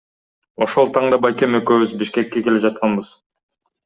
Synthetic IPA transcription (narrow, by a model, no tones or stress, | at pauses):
o̞ʃo̞lˠt̪ʰɑɴd̪ɑbɑjkʲe̞møkøβyzbiʃke̞kːe̞ke̞led͡ʒɑt̪̚qɑnbɯz